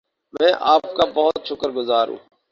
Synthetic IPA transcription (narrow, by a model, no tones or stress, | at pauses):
mɛ̃ːʔaːp̚kaːbəɦʊt̪̚ʃʰʊkəɾɡʊzaːɾṵ̃ː